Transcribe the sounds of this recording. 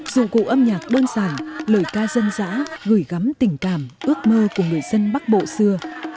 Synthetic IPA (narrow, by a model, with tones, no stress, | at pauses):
zṵ˧˨kṵ˧˨ʔə˧mɲaː˨˩k̚ɗo˧nsaː˧˩nləː˨˩jkaː˧zə˧nza̰ː˧˥ɣɨ˧˩jɣa˨˦mt̪ï˨˩ŋ̟kaː˧˩mʔɨ˦˥ək̚məː˧ku˧˩əŋɨ˨˩əjz̥ə˧nɓa˦˥k̚ɓo̰˧˨sɨ˧ə